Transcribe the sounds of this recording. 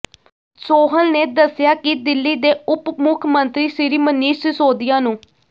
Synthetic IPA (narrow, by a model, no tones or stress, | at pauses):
soːɦəlneːd̪əsːɪjaːkɪd̪ɪlːiːd̪eːʊpmʊkʰmənt̪ɾiːsɪɾiːməniːʃsoːd̪ɪjaːnũː